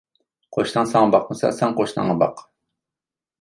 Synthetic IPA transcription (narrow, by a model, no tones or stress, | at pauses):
qʰoʃnɑŋsɑŋɑbɑq̚mʊsɑ̰sɛŋqoʃnɑ̰ŋːɑbɑ̰q